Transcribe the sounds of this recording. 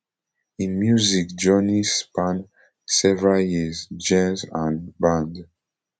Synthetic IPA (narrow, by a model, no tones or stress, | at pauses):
ĩnmjuzikd͡ʒɔnispãn | sɛvɹaljizd͡ʒɛ̃nzãnbãnd